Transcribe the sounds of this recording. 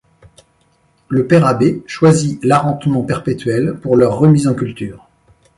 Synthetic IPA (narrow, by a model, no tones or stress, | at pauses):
ləpɛʁabeʃwazilaʁɑ̃t̪mɑ̃pɛʁpet̪ɥɛlpuʁlœʁːəmizɑ̃kʲylt̪yːʁ